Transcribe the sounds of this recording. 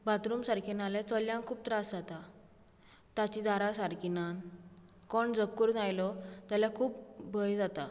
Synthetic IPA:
bat̪ɾumsaɾkʰinalet͡səljãŋkʰuːb̚t̪ɾasd͡zat̪a | t̪at͡ɕid̪ʱaɾasaɾkinan | kɔɳd͡zəb̚kuɾd͡zajlɔt̪aljakʰuːpbʱəjd͡zat̪a

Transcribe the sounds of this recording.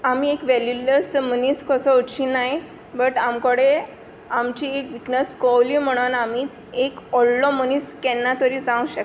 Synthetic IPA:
amiːekʋɛljuləsməniskəsɔuʈɕiːnaɦj | bəʈamkəɽe | amt͡ɕiekʋiknəskɔwliːm̤əɽ̃onami | ekɔlːɔməniskɛnːat̪əɾiːd͡zãũɕək

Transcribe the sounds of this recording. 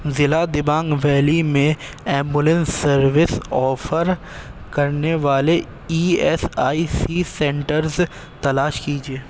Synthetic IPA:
zɪlad̪ɪbãːŋɡʋɛːlimẽ | ɛːmbʊlə̃nsːɐɾʋɪsɔːfʰəɾ | kɐɾneʋaːle | iːɛːsaːisisɛ̃ːɳʈəɾz | t̪ɐlaːʃkiːd͡ʒieː

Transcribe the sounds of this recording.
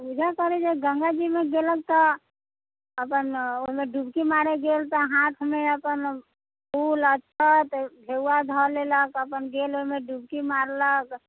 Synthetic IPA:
bud͡ʒʱakəɾed͡ʒeɡəŋɡad͡ʒimeɡelək̚t̪ɔ | əpənoɦimeɖubkimaɾeɡelt̪ɔɦãt̪ʰmeəpən | bulətːʃʰət̪bʱeuad̪ʱɔleləkəpənɡeloɦimeɖub̚kimaɾlək

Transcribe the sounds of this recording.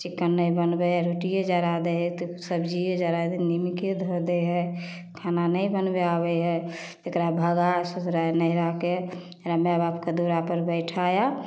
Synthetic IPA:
t͡ʃikːənːəjbənbɛaɾoʈijed͡ʒaɾad̪eɦɛt̪osəbd͡ʒied͡ʒaɾad̪enimiked̪ʱod̪eɦɛ | kʰananəibənbeabɛɦɛ | t̪ekɾabʱəɡasut̪ɾanəiɾake | ɾəmjabapked̪uɾapəɾbəɪʈʰaja

